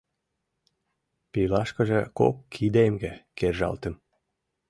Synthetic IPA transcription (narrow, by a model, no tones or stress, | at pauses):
pilɑʃkɤ̆ʒĕko̰kːʰid̪emɡekerʒɑ̰lt̪ə̆m